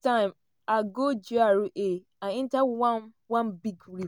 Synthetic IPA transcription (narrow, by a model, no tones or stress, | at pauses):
tãɪ̃m | aɡod͡ʒuaɾuʔe | aɪ̃ntawan | wãnbiɡɾi